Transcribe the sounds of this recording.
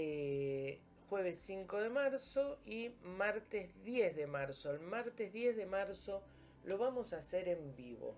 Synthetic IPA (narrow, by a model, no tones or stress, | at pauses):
e | xweβ̞esːiŋkoðemaɾsoimaɾt̪ezðjezðemaɾsoelmaɾt̪ezðjezðemaɾso | lo̞βamosaseɾembiβo̰